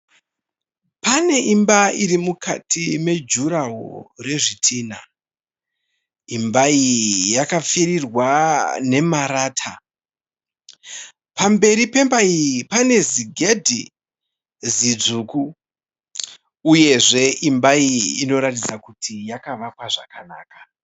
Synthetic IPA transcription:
pane̞ʔimbaiɾimukatʰime̞d͡ʒuɾaɦo̰re̞ʐitʰiːna | imbaijakafirirwane̞maɾaːtʰa | pambe̞ɾipe̞mbaipane̞ziɡʱe̞dʱi | zid͡zuːku | je̞ʐe̞ʔimbaiino̞ɾatid͡zakutʰijakaʋakwaʐakanaːkḁ

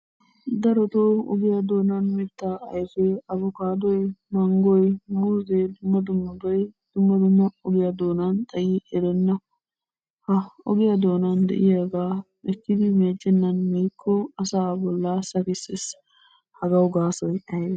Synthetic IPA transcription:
d̪ɐɾɔt̪oɔ̰ɡɪjad̪o̞ːnɐnmɛt̪ːaɐjfɛɐbʊkaːd̪ɔjmɐŋɡɔjmuːzed̪ʊmːɐd̪ʊmːɐb̪ɔjd̪̥ʊmːɐd̪ʊmːɐɔɡɪjad̪o̞ːnɐnt̪ʼɐjiːɛɾɛnːɐ | hɐɔ̰ɡɪjad̪o̞ːnɐnd̪ɛ̰ʔɪjaɡaː | ɛkːɪd̪ɪmeːd͡ʒːɛnːɐnmiːkʰːɔɐsaːbɔlːasɐkɪsɪs | hɐɡɐwɡaːsɔjʔɐj

